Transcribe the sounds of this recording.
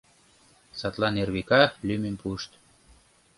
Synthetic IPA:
sɑt̪lɑnerβikɑlymenʲpuʃt̪

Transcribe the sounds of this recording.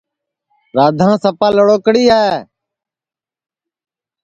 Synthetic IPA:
ɾaːd̪ʱãːsəpaːləɽoːkɽiːɦaː

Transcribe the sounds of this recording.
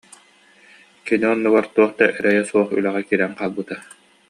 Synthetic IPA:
kiniɔnːuɡaɾt̪uɔχt̪aʔɛɾɛjɛsuɔχy̰lɛʁɛkiɾɛŋqaːlˠbɯt̪a

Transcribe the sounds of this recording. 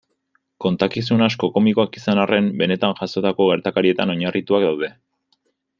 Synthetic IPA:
ko̞nt̪akis̬unasko̞ko̞miko̞akisanare̞mbe̞ne̞t̪anʝaso̞t̪ako̞ɣe̞ɾt̪akaɾie̞t̪ano̞ɲarit̪uak̚d̪awð̞e̞

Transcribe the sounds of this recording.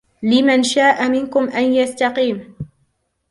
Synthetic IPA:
lɪmanʃaːʔamɪnkʊmʔanjast̪ɑqiːm

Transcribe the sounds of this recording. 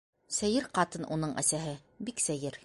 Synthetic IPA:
sæjɘɾqɑt̪ɤnʔunɤɴʔæ̰sæɦɘ | biksæjɘɾ

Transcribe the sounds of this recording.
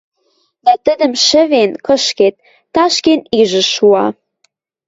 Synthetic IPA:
d̪æt̪ə̆d̪ə̆mʃə̆βenkɤ̆ʃket̪̚ː | ɑʃkeniʒə̆ʃuɑ

